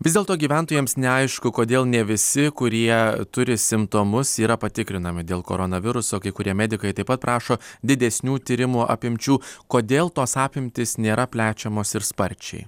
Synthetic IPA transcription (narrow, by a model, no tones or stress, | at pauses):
ʋʲɪzd̪ʲeːlˠt̪oːɡʲiːʋʲænt̪oːjeːmsnʲɛɐɪʃkʊkoːd̪ʲeːlˠnʲɛʋʲɪsʲɪkʊɾʲiɛt̪ʊɾʲɪsʲɪmpt̪oːmʊsiːɾɐpɐt̪ʲɪkɾʲɪnɐmʲɪd̪ʲeːlˠko̰ːɾonɐʋʲɪɾʊsoːkɐɪkʊɾʲiɛmʲɛd̪ʲɪkɐɪt̪ɐɪpɐt̪̚pɾʔɑːʃoːd̪ʲɪd̪ʲɛsʲnʲuːt̪ʲiːɾʲɪmuʔɐ̰pʲɪmʲt͡ʃʲuːkoːd̪ʲeːlˠt̪oːsɑːpʲɪmʲt̪ʲɪsnʲeːɾɐpʲlʲæːt͡ʃʲɛmoːsɪɾspɐɾʲt͡ʃʲɛ̰ɪ